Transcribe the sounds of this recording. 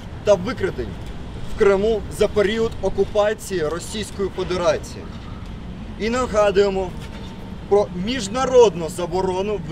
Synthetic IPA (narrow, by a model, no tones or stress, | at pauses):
t̪ɐʋɪkɾɪt̪ɪnʲ | wkɾɪmuzɐpeɾʲiʊd̪ɔkʊpɑt͡sʲijiɾɔsʲijsʲkɔjifɔd̪eɾɑt͡sʲijḭ | inɐɦɑd̪ʊjemɔ | pɾɔmʲiʒnɐɾɔd̪nʊzɐbɔɾɔnʊʋ